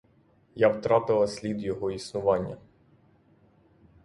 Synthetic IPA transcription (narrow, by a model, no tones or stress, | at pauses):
jawt̪ɾɑt̪ɪlˠɐsʲlʲid̪jɔɦɔisnʊʋɑnʲːɐ̰